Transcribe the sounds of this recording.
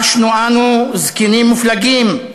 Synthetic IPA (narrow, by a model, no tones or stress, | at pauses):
ʃnuanuzkinimːuflaɡim